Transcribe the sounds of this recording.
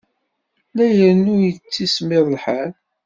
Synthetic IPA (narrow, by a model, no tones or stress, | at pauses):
læjəɾnʊjət͡sːismɪðˤlħal